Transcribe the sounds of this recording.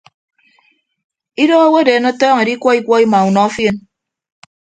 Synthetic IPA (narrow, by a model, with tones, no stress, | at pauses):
i˦do˦o˦wo˦deː˨˦no˦tɔː˦ŋe˨di˦kʷɔ˦i˦kʷɔ˦i˦ma˨u˨nɔ˨˦fje˦n